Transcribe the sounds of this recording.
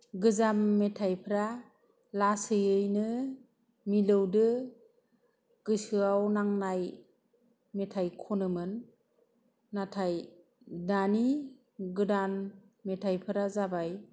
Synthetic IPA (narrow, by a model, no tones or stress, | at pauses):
ɡɯzamːetʰajpʰɯɾa | lasɯjɯjnɯ | milɯwdɯ | ɡ̥ɯsɯawnaŋnaj | metʰajkʰonɯmɯn | atʰaj | dani | ɡɯdan | metʰajpʰɯɾazabaj